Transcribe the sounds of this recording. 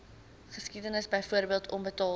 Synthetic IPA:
χəskidənəsbəjfuərbiəlˠtʰɔnbətɑː

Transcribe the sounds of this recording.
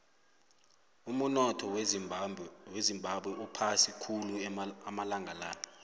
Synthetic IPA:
umunɔtʰɔw | wezimbʱaɓwɛʔupʰasikʰuluamalaŋɡʱalaːnɔ

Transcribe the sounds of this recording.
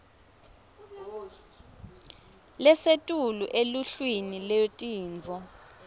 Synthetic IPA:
lɛsetʼuluʔeluɬwiniletʼiːnd͡vʱɔ

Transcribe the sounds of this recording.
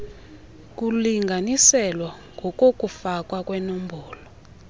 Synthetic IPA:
k̬uliŋɡʱanisɛlwaŋɡʱɔk̬ʼok̬ʼufak̬ʼwak̬ʼwɛnombʱɔːlɔ

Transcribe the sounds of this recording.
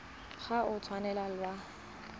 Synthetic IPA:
χaʔʊt͡sʰwanɛlalwa

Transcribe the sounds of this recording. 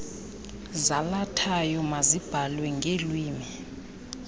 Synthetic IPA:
zalatʰajɔmazib̥ʱalwɛŋɡʱelwiːmi

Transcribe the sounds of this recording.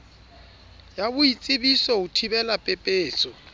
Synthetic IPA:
jabʊit͡sʼɪbisɔutʰibɛlapʼɛpʼeːt͡sʼɔ

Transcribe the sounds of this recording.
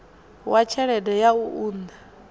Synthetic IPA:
wat͡ʃʰɛɺɛdɛjauuːnda

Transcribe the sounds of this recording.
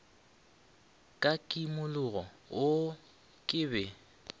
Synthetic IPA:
kʼakʼimʊlʊɣɔ | ʊ | kʼɪːbɛ

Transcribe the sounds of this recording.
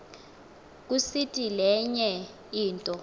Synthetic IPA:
k̬usitʼilɛɲɛ | iːntʼɔ

